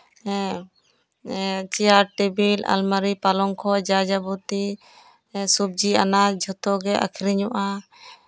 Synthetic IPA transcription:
t͡ʃiaɾʈibila̰lmaɾipalɔŋkʰɔd͡ʒad͡ʒabut̪i | sub̚d͡ʒianad͡ʒʱɔt̪ɔɡɛʔa̰kʰiɾiɲɔʔa

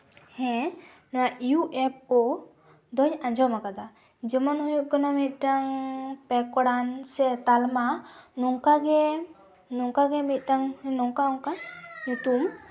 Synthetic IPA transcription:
hɛ̃ | najuʔɛp̚ɔ | d̪ɔɲaɲd͡ʒɔmakad̪a | d͡ʒəmanhujuʔkanamit̪̚ˀʈaŋpɛkɔɽansɛt̪almanɔŋkaɡɛ | nɔŋkaɡɛmit̪̚ˀʈaŋnɔŋkaɔŋkanut̪um

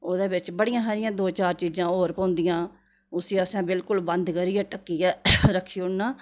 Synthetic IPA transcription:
oːd̪eːbɪt͡ʃbəɽɪjãːɦaːɾɪjãːd̪oːt͡ʃaːɾt͡ʃiːd͡ʒãːoːɾpãːnd̪ɪjãː | ʊsiːəsɛ̃ːbɪlkʊlbənd̪kəɾiːjɛːʈəkːiːjɛːɾəkʰːiːʊɽnaː

